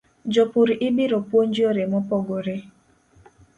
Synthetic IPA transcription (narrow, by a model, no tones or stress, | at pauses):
d͡ʒopuɾiʔɪbiɾopwond͡ʒioɾemɔpɔɡoɾe